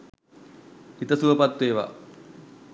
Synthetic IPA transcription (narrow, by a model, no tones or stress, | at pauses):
it̪ɐsuʋɐpɐt̪weːʋɐ̰